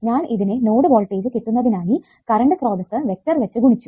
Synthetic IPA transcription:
ɲaːniðine̞noːɽɨʋo̞ːlʈːeːɾɨkiʈːunːɐðinaːji | kɐɾɐɳɖɨkro̞ːd̪ɐsːɨʋe̞k̚ʈɐrʋɐt͡ɕːɨɡuɳit͡ɕːu

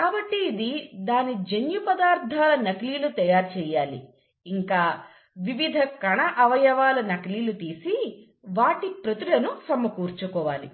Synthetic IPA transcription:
kaːbɐʈːiːd̪id̪aːnid͡ʒenjupɐd̪aːɾt̪ʰaːlɐnɐkliːlut̪ɐjaːɾt͡ʃɛːjaːlḭː | ŋkaː | ʋiʋid̪ʱɐkɐɳɐʔɐʋɐjɐʋaːlɐnɐkliːlut̪iːsi | ʋaːʈipɾɐt̪iɽɐnusɐmɐkuːɾt͡ʃukɔːʋa̰ːlḭ

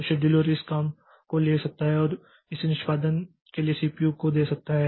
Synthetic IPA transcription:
ʃeɖɪloːɾɪskaːm | koleːsɐk̚t̪aɦɛɔːɾ | ɪsnɪʃpaːd̪ən | keliesiːpijukod̪eːsɐk̚t̪aɦɛː

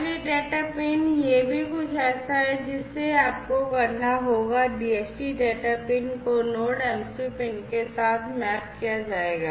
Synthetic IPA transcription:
ɾiɖeːʈapeːnjebʱikʊt͡ʃʰɛːsaɦɛd͡ʒɪsːeaːp̚kokɐɾnaɦoːɡaɖiːɛːsʈiɖeːʈapɪ̃ːnkonoːʈɛːmsipɪ̃ːnkesaːt̪ʰmɛːp̚kijad͡ʒaːeːɡaː

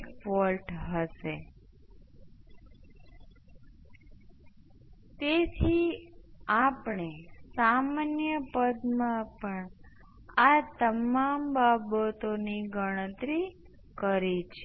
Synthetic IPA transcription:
kfɔlʈɦəʃe | t̪et̪ʰi | apɳesamanjəpəd̪mãpəɳ | at̪əmambabət̪oniɡʱəɽ̃ət̪ɾi | kəɾit͡ʃʰ

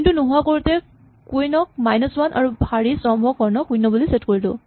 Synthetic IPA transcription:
intunuɦuakoɹutɛ | kujnɔk̚majnɔswanʔa̰ɹubʱaɹisɔmbʱɔkɔɹnɔkujnɔbulisetkoɹilʊ̰

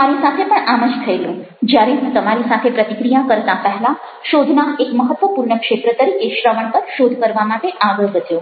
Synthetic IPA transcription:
aɾisat̪ʰepəɳaməd͡ʒt̪ʰəelũ | d͡ʒjaɾeɦũt̪əmaɾisat̪ʰepɾət̪ikɾijakəɾt̪apəɦlã | ʃod̪ʱnaekməɦət̪ːʋəpuɾɳəkʂet̪ɾət̪əɾikeʃɾəʋəɳpəɾʃod̪ʱkəɾʋamaʈeʔaɡəɭɡʱət̪jo

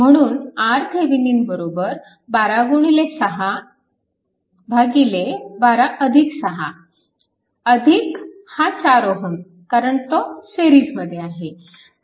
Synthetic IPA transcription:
m̤əɽ̃uːnaɾt̪ʰeʋiniːnbəɾobəɾ | baɾaɡuɽ̃ilesəɦa | bʱaɡilebaɾaʔəd̪ʱiksəɦa | əd̪ʱikhãt͡saɾoɦən | kaɾəɳt̪oseɾiːd͡zməd̪ʱːjeaɦe

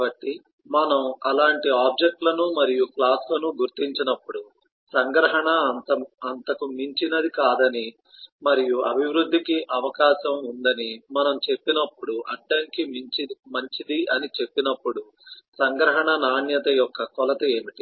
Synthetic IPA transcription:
bɐʈːi | mɐnɐmɐlaːɳʈiaːb̚d͡ʒe̞k̚ʈlɐnumɐɾijuklaːslɐnuɡuɾt̪iɲt͡ʃinɐpːuɽu | sɐŋɡɾɐɦɐɳɐt̪ɐɐnt̪ɐkumiɲt͡ʃinɐd̪ikaːd̪ɐni | mɐɾijuɐbʱiʋɾud̪ʱːikiʔɐʋɐkaːʃɐmund̪ɐnimɐnɐmt͡ʃe̞pːinɐpːuɽuʔɐɖːɐŋkimit͡ʃimɐɲt͡ʃid̪iʔɐnit͡ʃe̞pːinɐpːuɽu | sɐŋɡɾɐɦɐɳɐnaːɳjɐt̪ɐjɔkːɐkɔlɐt̪ɐe̞ːmiʈi

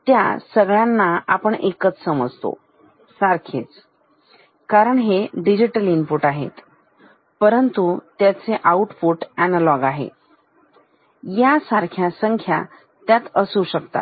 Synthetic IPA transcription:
t̪ja̰səɡɭjanːaapəɳekət͡ssəməd͡zʱt̪o̰ | saɾkʰet͡s | kaɾəɳɦeɖid͡ʑiʈəlimpuʈaɦḛt̪ | pəɾənt̪ut̪jat͡seʔauʈpuʈænəlɔɡaɦḛ | jasaɾkʰjasəŋkʰja̰ | t̪jat̪əsuɕəkt̪a̰

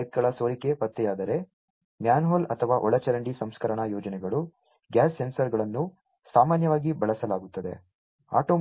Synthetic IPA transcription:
t̪̚ɡɐɭɐsoːɾike̞pɐt̪ːɛjaːd̪ɐɾe̞ | mjaːnɦoːlɐt̪ʰɐʋaːʔɔɭɐt͡ʃɐɾɐɳɖisɐmskɐɾɐɳɐjɔːd͡ʒɐnɛɡɐɭu | ɡjaːsːensɐɾɡɐɭɐnːu | saːmaːnjɐʋaːɡibɐɭɐsɐlaːɡut̪ːɐd̪e̞̰ | a̰ːʈoː

